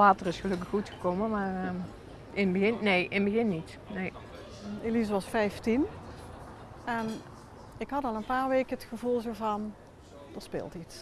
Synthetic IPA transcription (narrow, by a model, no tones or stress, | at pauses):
laːtərɪsxəlɵkəxːutxə̥kowmənmaːrə | ɪnbəɣɪnnejʔɪnbəɣɪnːit | nej | elizəʋɑsfɛjftin | ɛn | ɪkɦɑtɑlˠənpaːɹʋejkəətxəvulˠzoːvɑn | d̥əspɪ̰ːlˠtits